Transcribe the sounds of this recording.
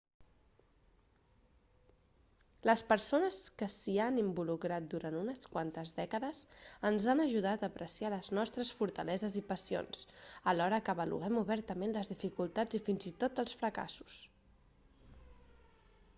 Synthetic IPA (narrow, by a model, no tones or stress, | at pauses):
ləspəɾsonəskəsianimbulukɾat̪̚d̪uɾanunəskwant̪əzðɛkəðəzənzanəʒuðat̪əːpɾʔəsialəznɔst̪ɾəsfuɾt̪əlɛzəzipəsio̰nsəlɔɾəkəːβəlṵɛmuβɛɾt̪əmenləzðifikulˠt̪ad͡zifinzit̪ot̪əlˠsfɾəka̰su̥s